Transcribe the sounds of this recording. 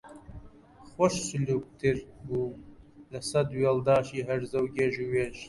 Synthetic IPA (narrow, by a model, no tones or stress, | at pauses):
xʷɔʃsɨluːk̚t̪ʰɨɾbuːlɨsɐd̪weːld̪ɑːʃiːɦɛɾzɐwɡʲeʒuweːʒ